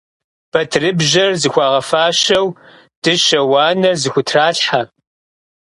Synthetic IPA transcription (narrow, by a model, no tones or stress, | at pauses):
b̥ɐtʰrɨbʒɐrzɨxʷɑːʁɐfaːʃɐw | d̥ɨʃɐwɑːnɐrzɨxʷʊtʰraːɬħa